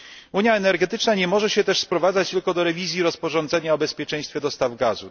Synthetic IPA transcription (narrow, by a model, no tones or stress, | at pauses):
uɲjaɛnɛɾɡɛt̪ɘt͡ʂnaɲɛmɔʐɛɕɛt̪ɛʂspɾɔvad̪zat͡ɕt̪ɘlkɔd̪ɔɾɛvʲizʲjiɾɔspɔʐɔnd̪zɛɲaɔbɛspʲjɛt͡ʂɛ̃j̃st̪fʲɛd̪ɔst̪avɡazu